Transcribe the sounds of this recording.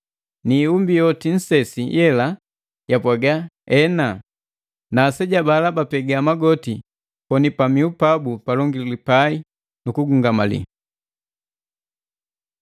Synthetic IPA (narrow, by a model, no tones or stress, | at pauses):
niumbijɔtin̩sɛsijɛla | japwaɡaɛna | naːsɛɟabalabapɛɡaːmaɡɔti | pɔnipamiupabupalɔŋɡililipai | nukuɡuŋɡamalḭ